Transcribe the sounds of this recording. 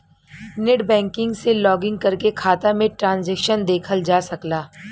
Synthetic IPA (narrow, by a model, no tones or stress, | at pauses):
neʈbɛ̃ːŋkɪ̃ŋɡselɔːɡɪ̃ŋɡ̚kɐɾkekʰaːt̪amẽʈɾãːnzɛːkʃənd̪eːkʰəld͡ʒaːsɐklaː